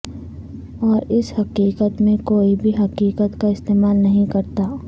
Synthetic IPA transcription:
ɔːɾɪshɐqiːqət̪mẽkoːibʱiɦɐqiːqət̪kaɪst̪eːmaːlnɐɦĩkɐɾt̪aː

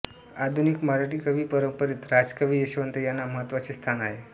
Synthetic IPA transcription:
ad̪ʱunikmaɾaʈikəʋipəɾəmpəɾit̪ɾad͡ʒkəʋieʃʋənt̪əjanaməɦət̪ʋət͡ʃʰist̪ʰanaɦe

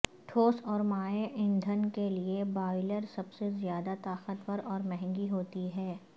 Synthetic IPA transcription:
ʈʰoːsɔːɾmaːeʔɪ̃nd̪ʱənkeliebaːɪləɾsɐbsezjaːd̪at̪aːqət̪wəɾɔːɾmɛɦɛ̃ŋɡiɦoːt̪iɦɛː

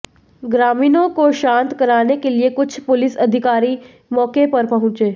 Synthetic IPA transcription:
ɡɾaːmiːnõkoʃãːnt̪kɐɾaːnekeliekʊt͡ʃʰpʊlɪsɐd̪ʱɪkaːɾi | mɔːkepɐɾpɐɦʊ̃t͡ʃeː

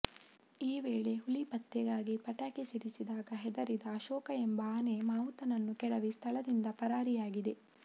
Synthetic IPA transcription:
iːʋeːɭe̞ɦulipɐt̪ːɛɡaːɡipɐʈaːkesiɾisid̪aːɡɐɦɛd̪ɐɾid̪ɐːʃɔːkɐembɐaːnemaːut̪ɐnɐnːukɛɽɐʋist̪ʰɐɭɐd̪ind̪ɐpɐɾaːɾijaːɡid̪e̞

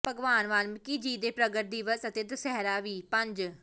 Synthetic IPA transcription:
pəɡʋaːnʋaːnmkiːd͡ʒiːd̪eːpɾəɡəʈ̚d̪iʋəsət̪eːd̪əsɛːɾaːʋiːpəɲd͡ʒ

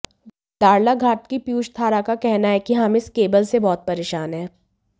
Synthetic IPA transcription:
d̪̥aːɽlaɡʱaːʈkipjuːʃt̪ʰaːɾakakɛɦnaɦɛkiɦɐmɪskeːbəlsebɔːt̪̚pɐɾeːʃaːnɦɛ̃ː

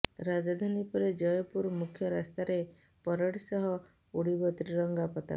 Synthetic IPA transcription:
ɾad͡ʒad̪ʱanipɔɾed͡ʒɔjɔpuɾmukʰjɔɾast̪aɾe | pɔɾɔɽisɔɦɔ | uɽibɔt̪ɾiɾɔŋɡapɔt̪a̰

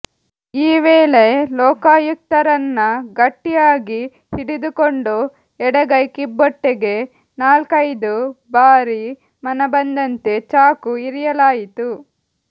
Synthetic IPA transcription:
iːʋeːlelɔːkaːjuk̚t̪ɐɾɐnːɐɡɐʈːijaːɡi | hiɽid̪ukoɳɖu | ɛɽɐɡɐjkibːoʈːeɡe̞ | naːlkɐjd̪ubaːɾi | mɐnɐbɐnd̪ɐnt̪e̞t͡ʃaːkuiɾijɐlaːjit̪u

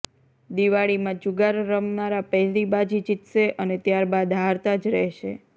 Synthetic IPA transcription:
d̪iʋaɭimãd͡ʒʊɡaɾːəmnaɾapɛɦlibad͡ʒid͡ʒit̪ʃeʔənet̪jaɾbad̪ɦaɾt̪ad͡ʒɾɛɦʃḛ

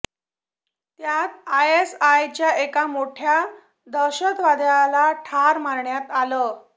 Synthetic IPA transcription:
t̪jat̪̚ajesajt͡ɕjaʔekamoʈʰja | d̪əɾɕək̪ʋad̪jalaʈʰaɾmaɾɳjat̪alə

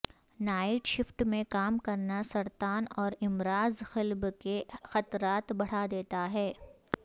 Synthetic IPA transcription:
naːɪʈʃɪfʈmẽkaːmkɐɾnasɐɾt̪aːnɔːɾɪmɾaːzxɪlbkexɐt̪ɾaːt̪bɐɽ̤ad̪eːt̪aɦɛː

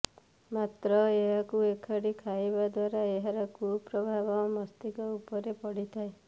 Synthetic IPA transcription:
mat̪ɾɔeɦakuekʰaɽikʰajbad̪waɾaeɦaɾɔkupɾɔbʱabɔmɔst̪ikɔupɔɾepɔɽit̪ʰae

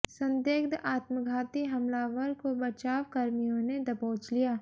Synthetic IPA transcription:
sɐ̃nd̪eːɡd̪ʔaːt̪məɡʱaːt̪iɦɐmlaːʋəɾkobɐt͡ʃaːwkɐɾmijõned̪ɐpoːt͡ʃlijaː

